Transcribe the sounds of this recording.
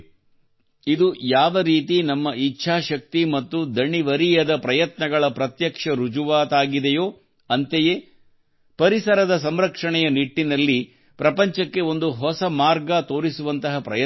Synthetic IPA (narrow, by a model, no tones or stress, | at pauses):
id̪ujaːʋɐɾiːt̪inɐmːɐit͡ʃːʃʰaːʃɐk̚t̪imɐt̪ːud̪ʱɐɳiʋɐɾijɐd̪ɐpɾɐjɐt̪nɐɡɐɭɐpɾɐt̪jɐkʂɐɾud͡ʒuʋaːt̪aːɡid̪ɛjoː | ɐnt̪ejeː | pɐɾisɐɾɐd̪ɐs̬ɐmɾɐkʂɐɳɛjɐniʈːinɐlːi | pɾɐpɐɲt͡ʃɐkːe̞o̞nd̪uɦɔsɐmaːɾɡat̪o̞ːɾisuʋɐnt̪ɐɦɐpɾɐjɐ